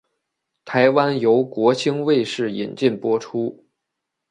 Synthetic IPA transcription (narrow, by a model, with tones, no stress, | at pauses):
t̪ʰa˧˥ɪwa˥njo˧˥ʊkwɔ˧˥t͡ɕʰi˥ŋwe˥˧ɪʂɻ̩˥˩i˨˩nt͡ɕi˥˩npwɔ˥ʈ͡ʂʰu˥